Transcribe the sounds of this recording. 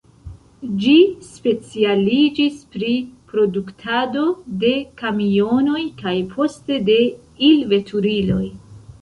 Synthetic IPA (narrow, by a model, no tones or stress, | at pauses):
d͡ʒispe̞t͡sialid͡ʒispɾipɾo̞duktʰado̞de̞kamio̞no̞jkajpʰo̞ste̞de̞ | ilve̞tʰuɾilo̞j